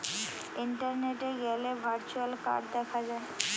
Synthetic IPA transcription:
iɳʈəɾneʈeɡɛlebʱaɾt͡ɕualka̰ɾɖ̚d̪ɛkʰad͡ʑae

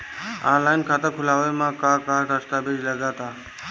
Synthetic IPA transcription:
ã̰laːɪnkʰaːt̪əɾkʰʊlaːʋemãkaːkaːʈəst̪aːbed͡ʒləɡaːt̪aː

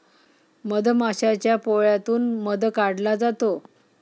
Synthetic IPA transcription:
məd̪ʱmaɕat͡ɕjapoɭjat̪uːnməd̪əkaɽlad͡zat̪o

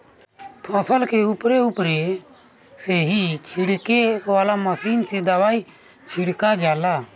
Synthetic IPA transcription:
pʰəsəlkeʊpɾeʊpɾe | seɦit͡ʃʰiɽkeʋaːlaməsiːnsed̪əʋaːi | t͡ʃʰiɽkad͡ʒaːlaː

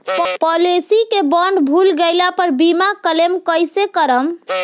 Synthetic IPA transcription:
pɔlesikebɔɳɖbʱulɡejlapəɾbimakəlemkəjsekəɾəm

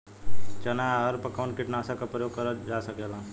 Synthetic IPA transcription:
t͡ʃɐnaɦəɾpəkaʋnkɪʈnaːsakapɾəjoːɡ̚kəɾəd͡ʒaːsəkelã

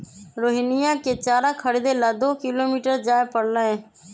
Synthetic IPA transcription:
ɾoːɦiːnɪjãːkeːt͡ʃaːɾãːkʰəɽiːd̪eːlaːd̪oːkɪloːmiːʈəɾd͡ʒaːepəɽləɦẽː

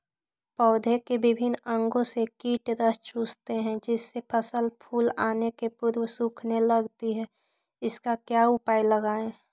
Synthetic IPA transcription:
pɔːd̪ʱekebɪbʱɪnə̃ŋɡõsekiːʈɾəst͡ʃuːst̪eɦɛ̃d͡ʒɪsːepʰəsəlpʰuːlaːnekepʊɾwsuːkʰneləɡt̪iɦɛː | ɪskakjaːʊpaːiləɡaːẽ

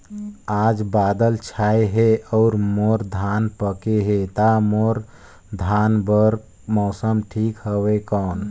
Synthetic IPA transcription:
ad͡ʒbad̪əlt͡ʃʰajɦeɔʊɾmoɾd̪ʱanpəkeɦet̪amoɾ | d̪ʱanbəɾk | mɔsəmʈʰikɦəbekɔːn

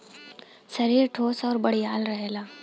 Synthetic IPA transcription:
sɐɾiːɾʈʰoːsɔːɾbɐɽijaːlɾɐɦeːlaː

